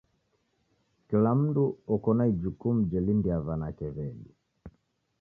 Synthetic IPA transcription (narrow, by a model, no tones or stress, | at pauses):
kɛlam̩duɔkɔnaid͡ʒukum̩d͡ʒɛlindiavanakɛβɛli